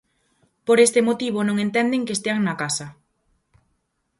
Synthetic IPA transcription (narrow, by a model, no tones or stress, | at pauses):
poɾest̪ɪmot̪iβ̞onõŋent̪ɛnd̪eŋkest̪eaŋnɐkasɐ